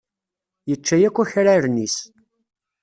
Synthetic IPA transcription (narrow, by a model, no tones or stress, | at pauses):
jət͡ʃːæjækʷːæçɾaɾnis